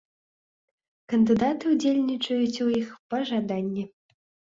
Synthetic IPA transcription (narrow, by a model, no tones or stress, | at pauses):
kɐnd̪ɨd̪at̪ɨud͡zʲelʲnʲit͡ʂɐjut͡sʲuixpɐʐad̪anʲːɛ